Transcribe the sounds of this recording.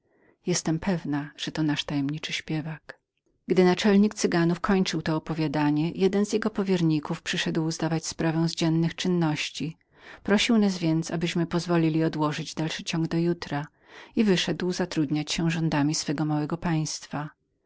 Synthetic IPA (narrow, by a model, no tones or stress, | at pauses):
jɛst̪ɛmpʰɛvnaʐ̥ɛt̪ɔnaʂt̪ajɛmɲit͡ʂɘɕpʲjɛvak | ɡ̥d̪ɘnat͡ʂɛlɲikt̪sɘɡanufkʰɔɲt͡ʂɘwt̪ɔːpɔvʲjad̪aɲɛjɛd̪ɛnzʲjɛɡɔpɔvʲjɛɾɲikufpʂɘʂɛd̪wzd̪avat͡ɕspɾavɛ̃w̃zd͡ʑɛnːɘxt͡ʂɘnːɔɕt͡ɕi | pɾɔɕiwnazvʲjɛnt̪sabɘɕmɘpɔzvɔlʲilʲiɔd̪wɔʐɘd͡ʑd̪alʂɘt͡ɕɔŋɡd̪ɔjut̪ɾa | ivɘʂɛd̪wzat̪ɾud̪ɲat͡ɕɕɛʐɔnd̪amʲisfɛɡɔmawɛɡɔpaj̃st̪fa